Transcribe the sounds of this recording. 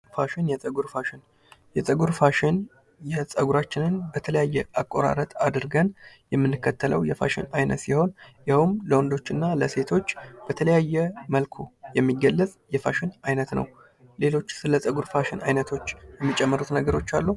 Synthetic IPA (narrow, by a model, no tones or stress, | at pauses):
faʃɪnjɛsʼəɡuɾfaʃɪn | jɛsʼəɡuɾfaʃɪn | jɛsʼəɡuɾat͡ʃːɪnɨnbət̪ʰələjajːɛʔakʼːo̞ɾa̰ɾət̪ʼad̪ɨɾɡən | jɛmːɨnːɨkːət̪ʰːələwjɛfa̰ʃɪ̰najnə̰t̪siho̞njahumləwɔnd̪o̞t͡ʃːɨnːaləse̞t̪ʰo̞t͡ʃːb̥ət̪ʰələjajːɛməlkʰo̞jɛmːiɡːəlːəsʼjɛfaʃɪnajnət̪nə̰w | le̞lo̞t͡ʃːsɨləsʼəɡuɾfaʃɪna̰jnət̪ʰo̞t͡ʃːjɛmːit͡ʃʼːɛmːəɾut̪nəɡəɾo̞t͡ʃːalːu